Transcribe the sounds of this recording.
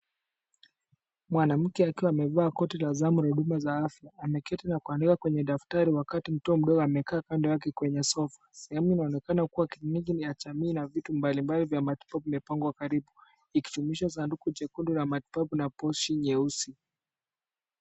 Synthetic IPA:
mwanam̩kɛakiwaːmɛvaːkɔtɛlazamuɾahuɗumazaafjaːmɛkɛtɛnakuandikakwɛɲɛɗaftaɾiwakatim̩tɔːm̩ɗɔɡɔamɛkaːkandɛwak̬ɛkwɛɲɛsɔfḁsɛhɛmuinaɔnɛkanakuwakiɲiɡijat͡ʃamiːnavitumbalimbalivjamati̥papuimɛpaŋɡwakaɾiɓu | iki̥tumiʃas̬andukud͡ʒɛkundulamati̥papunapɔʃiɲɛusi

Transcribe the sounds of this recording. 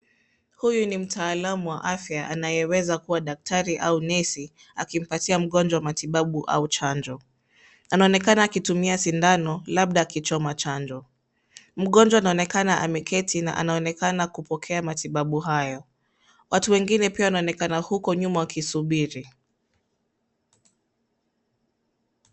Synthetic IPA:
hujunim̩tʰaːlamuwaʔafjaanajɛwɛzakuwaɗak̚tʰaɾiʔaunɛsi | akim̩patiam̩ɠɔnd͡ʒwawamatiɓaɓuʔa̰ut͡ʃand͡ʒɔ | anaɔnɛkanaːkitumiasindanɔlaɓ̚ɗaːkit͡ʃɔmat͡ʃand͡ʒɔ | m̩ɠɔnd͡ʒwaːnaɔnɛkanaʔamɛkʰɛtʰina̰ʔa̰naɔnɛkanakupɔkʰɛamatiɓaɓuɦajɔ | watuwɛŋɡinɛpiawanaɔnɛkanahukɔɲumawakisuɓiɾi

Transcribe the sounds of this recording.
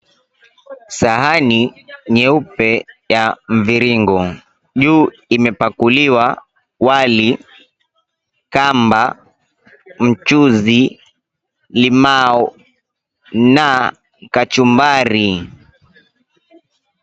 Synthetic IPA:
saɦaniɲɛupɛjaɱ̩viɾiŋɡɔ | ʄuː | imɛpakuliwa | wali | kamba | m̩t͡ʃuzi | limaɔ | na | kat͡ʃumbaɾi

